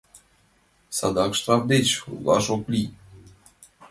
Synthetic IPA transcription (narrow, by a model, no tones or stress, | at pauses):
sad̪ɑkʃt̪ɾavd̪et͡ɕulˠɑ̰ʃoklʲi